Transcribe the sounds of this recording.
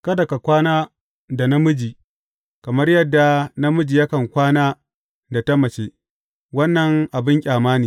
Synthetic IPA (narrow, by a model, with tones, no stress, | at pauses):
kɐ˦dɐ˨ka˨kʷaː˦naː˦ | da˨na˦mʊ˦d͡ʒiː˨ | kɐ˨mɐ˦rjɐ˦dːa˨na˦mʊ˦d͡ʒi˨ja˦kɐ˨ŋkʷaː˦naː˦ | da˨ta˦mɐ˨t͡ʃeː˦ | wɐ˦nːɐ˨ŋʔa˨bɪ˦ŋkʲʼaː˨maː˦niː˨